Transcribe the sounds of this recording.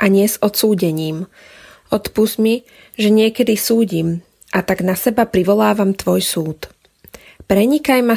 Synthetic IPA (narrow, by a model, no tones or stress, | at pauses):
ʔaɲɪɛzɔt̪suːɟɛɲiːm | ʔɔt̪puzmi | ʒɛɲɪɛkɛd̪isuːɟim | ʔat̪aɡnasɛbapɾiʋɔlaːʋamt̪ʋɔjsuːt̪ | pɾɛɲikajma